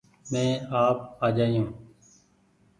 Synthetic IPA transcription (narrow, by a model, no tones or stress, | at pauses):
mẽːaːp̚aːd͡ʒaːijũː